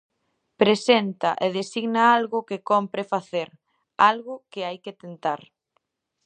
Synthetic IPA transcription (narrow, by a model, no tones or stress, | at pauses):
pɾesent̪ɐʔeðesiɣnaalɣʊkɪkompɾefaθeɾ | alɣʊkɪajket̪ent̪aɾ